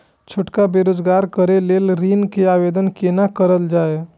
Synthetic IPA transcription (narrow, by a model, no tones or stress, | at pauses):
t͡ʃʰoʈkabeɾoːd͡ʒɡaːɾkəɾeleːlɾinkeaːʋed̪ənkenakəɾəld͡ʒaːe